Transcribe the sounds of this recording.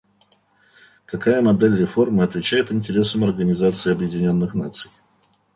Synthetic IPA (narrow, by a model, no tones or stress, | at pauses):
kɐkajəmɐd̪elʲrʲɪfo̞rmɨɐt̪vʲɪt͡ɕæjɪt̪ɪnʲtʲɪɾʲe̞səmɐrɡənʲɪzat̪sɨɪɐbjɪdʲɪnʲo̞nːɨxnat̪sɨj